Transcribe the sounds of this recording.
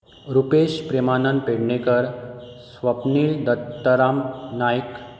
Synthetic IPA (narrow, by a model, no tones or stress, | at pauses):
ɾupeɕpɾemanənpeɽɳekəɾsʋəpniːɭd̪ət̪ːəɾamnajk